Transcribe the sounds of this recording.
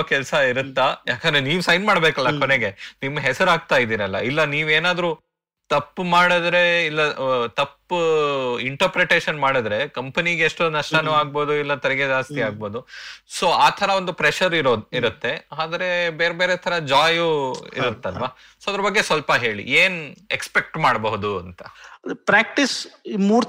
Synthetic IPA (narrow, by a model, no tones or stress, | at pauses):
kɛlsɐiɾut̪ːajaːkɐnd̪ɾeniːʋusɐjnmaːɽbeːkɐlːɐkoneɡe̞nimːɐɦɛsɐɾaːɡ̚t̪aːjid̪iːɾɐlːɐ̰ilːɐniːʋeːnaːd̪ɾu | t̪ɐpːmaːɽɐd̪ɾe̞ilːɐt̪ɐpː | iɳʈɐɾpɾeʈe̞ːʃɐnmaːɽɐd̪ɾe̞kɐmpɐniɡeːʂʈonɐʂʈɐnuːaːɡ̚bo̞ːd̪uilːɐt̪ɛɾɛɡed͡ʒaːst̪iaːɡ̚bo̞ːd̪uso̞ːaːt̪ʰɐɾɐond̪upɾeʃɐɾiɾoiɾut̪ːe̞aːd̪ɐɾe̞be̞ːɾebeːɾet̪ʰɐɾɐd͡ʒaːjuḭɾut̪ːɐlɐʋaː | soːɐd̪ɐɾɐbɐɡːe̞sʋɐlpɐɦe̞ːɭḭeːnekspe̞k̚ʈmaːɽbɐɦud̪uɐnt̪ɐ̥dpɾaːk̚ʈismuːɾ